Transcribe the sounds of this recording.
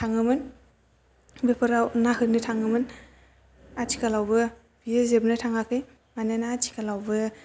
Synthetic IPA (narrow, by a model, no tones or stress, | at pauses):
tʰaŋɯmɯn | bepʰɯɾawnaɦɯnɯtʰaŋɯmɯn | atʰi̥kʰalawbɯ | b̥ijezebnɯtʰaŋakʰɯj | mananaːtʰi̥kalawbɯ